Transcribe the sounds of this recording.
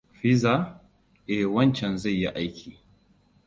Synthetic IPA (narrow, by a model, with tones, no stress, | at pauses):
ɸɪ˦za˦ | ʔɛ˨wɐ˦nt͡ʃɛ˨nza˦˨jːi˦ʔa˦jkʲʰiː˨